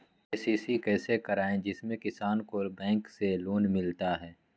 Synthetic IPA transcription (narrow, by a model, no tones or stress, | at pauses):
eːsiːsikɛːsekəɾaːẽd͡ʒɪsmẽkɪsaːnkobɛ̃ːŋkseloːnmɪlt̪aɦɛː